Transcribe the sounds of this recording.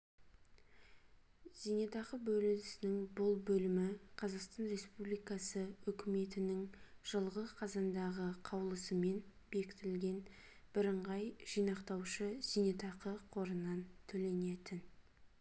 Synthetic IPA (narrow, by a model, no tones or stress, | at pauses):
z̥ijnet̪ɑqəbɵlɪlɪsɪnɪŋbʊlˠbɵlɪmɪqʰɑzɑqst̪ɑnre̞spublijkɑsəʏkʲɪme̞t̪ɪnɪŋʒ̥əlˠʁəzqʰɑzɑnd̪ɑʁəqʰɑwlˠəsəme̞n | b̥e̞kʲɪ̥t̪ɪlɡʲe̞n | b̥ɪɾəɴʁɑjʒ̥ijnɑqt̪ɑwʃəz̥ijnet̪ɑqəqʰo̞ɾənɑnt̪ʰɵle̞ne̞t̪ɪn